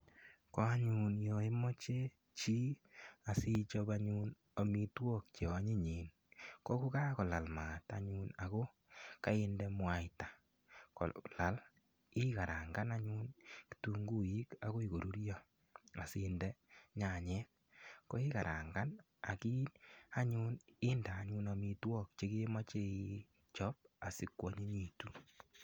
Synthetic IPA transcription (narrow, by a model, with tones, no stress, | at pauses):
kɔ˦a˦ɲu˨njɔ˨i˦mɔ˦t͡ʃe˦ | t͡ʃi˦a˨si˦t͡ʃɔ˦βa˦ɲu˦n | o˨mi˦twɔ˦k̚t͡ʃe˨ɔ˦ɲi˦ɲeː˨n | kɔ˦ku˦ka˦kɔ˨la˨lma˨ta̰˨ɲu˦na˨ko˦ | ka˦ɪ˦ndɛ˦mwa˦ɪtḁ˨ | kɔ̰˨la˨l | ɪ˦ka˨ɾa˨ŋɡa˦na˦ɲu˦nki̥˨tu˦ŋɡu˦i˦ka˨ko˦i˨ko˨ɾu˦ɾjɔ˨ | a˨sɪ˨ndɛ˦ɲa˨ɲɛ˦ | ko˦ɪ˦ka˨ɾʔa̰˨ŋɡa˦n | a̰˨ki˦a˦ɲu˦nɪ˦ndaː˨˦ɲu˦nami˦twɔ˦k̚t͡ʃe˦ke˦ma˦t͡ʃe˦i˦ | t͡ʃɔ˦p̚a˨si˨kwɔ˦ɲe˦ɲi˨tu˨˦